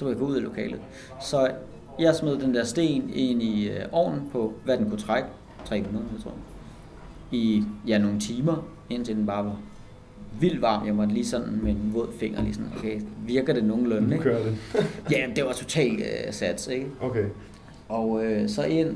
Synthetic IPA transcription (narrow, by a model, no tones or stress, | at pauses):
sɒʋejaɡ̥ɔ̽uðˠilo̝kʰɛ̰ːlð̩ˠ | sɒ̽ | jɑ̈ɪsmeðˠd̥end̥eɐ̰sd̥e̝̰ːne̝niøʔɒ̰ːnn̩pʰɒ̽ʋæd̥enkʰut͡sʰʁaɡ̥ə | t͡sʰʁɛ̰ːmunðˠɐjat͡sʰʁo̰ | ijæno̝ːn̩t͡sʰiːmɐ | e̝n̰t͡sʰe̝d̥enb̥ɑ̈ːʋɑ̈ | ʋil̰d̥ʋɑ̈ːmjɑ̈mɒ̽d̥liːsɒ̽d̥n̩menʋɔð̰ˠfe̝ŋ̰ɐlḭːsɒ̽n̩okʰeɪʋiɐɡ̥ð̩ˠd̥e̝no̝ːn̩lɔne̥ | jæd̥e̝ʋɑ̈t͡sʰo̝t͡sʰɛ̰ːlsæd̥se̝ɡ̥əoe | ɒʊøsɒ̽ʔe̝n̰